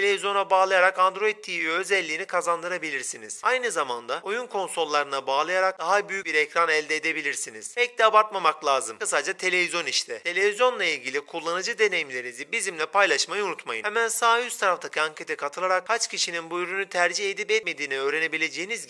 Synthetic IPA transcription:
e̞lʲevizjo̞nabaːlˠajaɾakand̪ɾo̞it̪ʰːivøzɛlʲːiːnikʰazand̪ɯɾabilʲiɾsinḭz̥ajnɯzamand̪aojunkʰo̞nso̞lˠːaɾɯnabaːlˠajaɾak̚d̪aɦabyjyc̚biɾecɾanɛlʲd̪eːd̪ebilʲiɾsiniz̥pɛc̚t̪ɛabaɾt̪mamaklʲˠaːzɯmkɯsad͡ʒat̪ʰe̞lʲe̞vizjo̞niʃt̪ʰɛt̪ʰe̞lʲe̞vizjo̞nlˠailʲɟʲilʲikʰulˠːanɯd͡ʒɯd̪e̞ne̞jimlʲe̞ɾinizibizimlʲɛpʰajlˠaʃmajɯunut̪majɯ̰hemænsaːjyst̪ʰaɾaft̪ʰacʰiaŋcʰe̞t̪ʰɛkʰat̪ʰɯlˠaɾak̚kʰat͡ʃcʰiʃininbujyɾynyt̪ʰæɾd͡ʒihed̪ipɛt̪me̞d̪iːniø̞ːɾe̞ne̞bilʲe̞d͡ʒejiniz

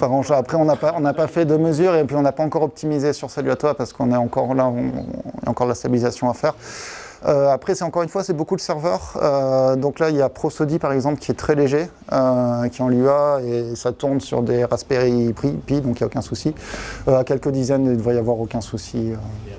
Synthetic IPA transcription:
paʁɑ̃ʃaapχɛɔ̃napaɔ̃napafɛd̪əməzyʁepɥiɔ̃napaɑ̃kɔʁɔp̚t̪imizesyʁsalyat̪wapaʁsə̥kɔ̃nɛɑ̃kɔʁlaɔ̰̃ja̰ɑ̃kɔʁd̪last̪abilizasjɔ̃afɛʁ | øapχɛsɛt̪ɑ̃kɔʁynfwasɛbokud̪əsɛʁvœʁød̪ɔ̃klailjapχosɔd̪ipaʁɛɡzɑ̃plkʲiɛt̪χɛleʒe | økʲiɑ̃liaesat̪uʁnsy̰ʁd̪eʁaspeʁipχipid̪ɔ̃kijaokʲɛ̃susiøakʲɛlkəd̪izɛnd̪əvʁɛjavwaʁokʲɛ̃susiø

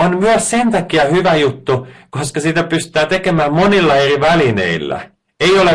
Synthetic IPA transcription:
onmyøssent̪ɑkiɑhyʋæjut̪ːukoskɑsiːt̪æpyst̪æːt̪ekemæːmmonilːɑeriʋælinḛilːæ̰ | eiole

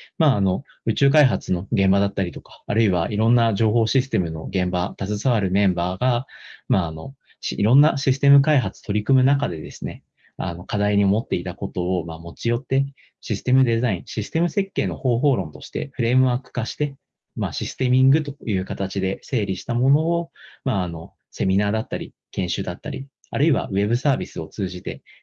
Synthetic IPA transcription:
maːno̞ | ɯ̟t͡ɕɨːk̬aiɦat͡sɨno̞ɡẽ̞mbad̪at̪ːaɾʲit̪o̞kḁːɾɯ̟iβ̞aiɾõ̞nːaʑo̞ːɦo̞ːɕisɨ̥t̪e̞mɯ̟no̞̰ɡẽ̞mbat̪azɨsaβaɾɯ̟mẽ̞mbaːɡamaːno̞ | ɕiɾõ̞nːaɕisɨ̥t̪e̞mɯ̟kaiɦat͡sɨ̥t̪o̞ɾʲikɯ̟mɯ̟nakad̪e̞d̪e̞sɨne̞ | a̰no̞kad̪aiɲ̟io̞mo̞t̪ːe̞it̪ako̞t̪o̞omaːmo̞t͡ɕijo̞t̪ːe̞ | ɕisɨ̥t̪e̞mɯ̟d̪e̞zaĩɰ̃ɕisɨ̥t̪e̞mɯ̟se̞kːe̞ːno̞ho̞ːɦo̞ːɾõ̞nt̪o̞ɕi̥t̪e̞̰ɸɯ̟ɾe̞ːmɯ̟βaːkɯ̟̥kaɕi̥t̪e̞ | maːɕisɨ̥t̪e̞mʲĩŋɡɯ̟t̪o̞̥jɯ̟ːkat̪at͡ɕid̪e̞se̞ːɾʲiɕi̥t̪amo̞no̞ːmaːno̞ | se̞mʲinaːd̪at̪ːaɾʲi | kẽ̞ɰ̃ɕɨːd̪at̪ːa̰ɾʲḭ | aɾɯ̟iβa̰βe̞bɯ̟saːbʲisɨo̞t͡sɨːʑit̪e̞

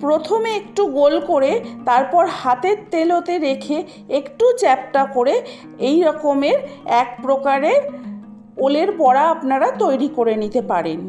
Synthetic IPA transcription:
pɾot̪ʰomeekʈuɡolkoɾet̪aɾpɔɾhat̪eɾt̪elot̪eɾekʰe | ekʈut͡ɕɛp̚ʈakoɾe | ejɾɔkomeɾɛkpɾokaɾeɾ | oleɾbɔɽaapnaɾat̪ojɾikoɾenit̪epaɾen

